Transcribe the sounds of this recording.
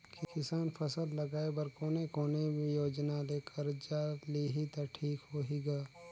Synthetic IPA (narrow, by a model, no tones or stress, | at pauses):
kkɪsaːnpʰɐsəllɐɡaːebɐɾkoːnekoːneejoːd͡ʒnaleːkʰəɾd͡ʒaːliɦit̪aʈʰiːkɦoɦiɡaː